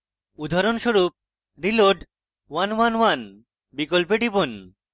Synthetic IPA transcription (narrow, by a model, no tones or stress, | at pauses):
ud̪ʱaɾonʃoɾup̚ | ɾiloʈ | wanwanwan | bikolpeɖipon